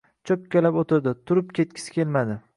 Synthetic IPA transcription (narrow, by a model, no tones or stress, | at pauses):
t͡ʃʰop̚kʲelapot̪ʰɪɾd̪ɪt̪ʰʊɾɪpkʲʰe̞t̪̚kʲʰɪ̥sɪ̥kʲe̞lmad̪ɪ